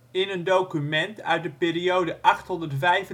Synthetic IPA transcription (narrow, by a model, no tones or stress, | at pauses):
ɪnəndowkymɛntœ̰ɥt̚dəpɪːriowdəʔɑχtɦɔndəɹtvɛjv